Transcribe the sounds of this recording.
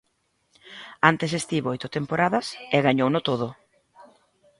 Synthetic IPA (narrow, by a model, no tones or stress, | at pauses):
ant̪es̬est̪iβojt̪ʊt̪empoɾaðɐseɣaɲownʊt̪oð̞ʊ